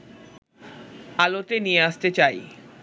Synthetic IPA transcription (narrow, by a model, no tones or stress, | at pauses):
alot̪enijeaʃt̪et͡ɕaj